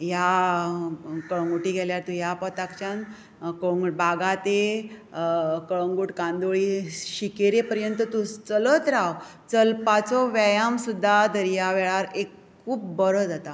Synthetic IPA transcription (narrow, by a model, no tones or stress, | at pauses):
ja | kəɭəŋɡuʈiːɡʱɛljaɾt̪ũjapɔt̪akt͡ɕjãn | kəɭŋɡuʈbaɡat̪e | kəɭəŋɡuʈkãnd̪oɭiɕikeɾepəɾjənt̪ət̪ut͡sələt̪ɾaw | t͡səlpat͡sɔʋajamsud̪ʱːad̪əɾjaʋɛɭaɾek | kʰːuːpbəɾəd͡zat̪a